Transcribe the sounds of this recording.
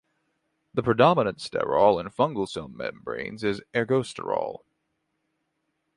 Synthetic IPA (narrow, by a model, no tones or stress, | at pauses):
ðəpʰɹ̥ɨdɑmənɨ̃ntstɛ̰ɹɔlˠə̃nfʌ̃ŋɡl̩ˠsɪlˠmmɛ̰̃mbɹḛ̃ɪ̃nzɪzɛɹɡoʊstə̰˞ɔ̰lˠ